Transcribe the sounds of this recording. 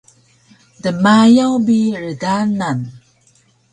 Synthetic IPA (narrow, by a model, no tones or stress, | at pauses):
dəmajawbiɹədanan